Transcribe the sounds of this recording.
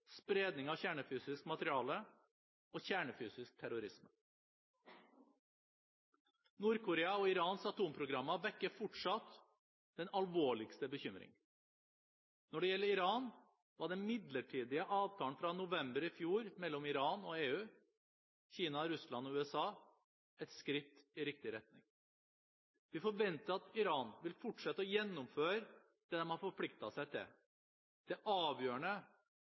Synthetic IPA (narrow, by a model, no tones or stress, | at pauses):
spɾeːd̪nɪŋɑʋçæːɳəfyːsɪskmɑt̪ɾɪɑːlə | oːçæːɳəfyːsɪsk̚t̪ʰæɾʊɾɪsm | nuːɾkʰʊɾeːɑɔɪɾɑːnsɑt̪ʰuːmpʰɾʊɡɾɑmːɑʋɛkːəfɔʈʂɑt̪ | d̪̥ɛnɑlʋoːɭɪkst̪əbəçʏmɾɪ̰ŋ | nɔɖɛjɛlːəɾɪɾɑːn | ʋɑɖɛnmɪd̪ləʈʰiːd̪ɪəʔɑːʋt̪ʰɑːn̩fɾɑnʊʋɛmbəɾɪfjuːɾmɛlːɔmɪɾɑːnɔeːʉː | çiːnɑɾʉslɑnɔʉːɛsɑː | ɛt̪skɾɪt̪ːɪɾɪk̚t̪ɪɾɛt̪nɪ̰ŋ | ʋɪfɔɾʋɛnt̪əɾɑt̪ɪɾɑːnʋɪlfʊʈʂɛt̪ːɔjɛnːʊmføːɾ | d̪̥ɛːd̪ɛnhɑɾfɔɾpʰlɪkt̪ɑsæɪt̪ʰɪ̰l | d̪̥ɛʔɑːʋjøːəɳə